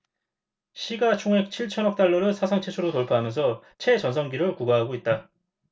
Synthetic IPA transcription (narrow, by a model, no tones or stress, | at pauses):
ɕʰiɡat͡ɕʰoŋɦe̞k̚t͡ɕʰiɭt͡ɕʰʌnʌk̚t͈aɭːʌɾɯsʰasʰaŋt͡ɕʰet͡ɕʰuɾotoɭpʰaɦamjʌnsʰʌt͡ɕʰe̞t͡ɕʌnsʰʌŋɡiɾɯɭkuɡaɦaɡoit̚t͈a